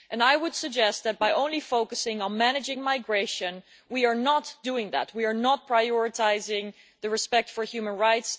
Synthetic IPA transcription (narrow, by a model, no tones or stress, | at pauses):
ʔɨ̃najwʊd̥sɨɡ̚d͡ʒɛst̪̚ðɨt̚b̥ajʔõʊ̃nlifoʊkəsɪ̃ŋə̃nmænɨd͡ʒɪ̃ŋmaɪɡɹeɪʃɨ̃n | wiəɹnətd̥uɪ̃ŋðæ̰t̚wiəɹnɔt̚pʰɹajɔɹɨtʰaɪzɪ̃ŋ | ðɨɹɨspɛk̚tfəɹhjʉmə̃nɹaɪts